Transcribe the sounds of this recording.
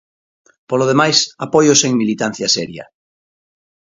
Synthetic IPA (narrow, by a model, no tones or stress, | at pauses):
poloð̞emajsapojoseŋmilit̪an̟θjasɛɾja̰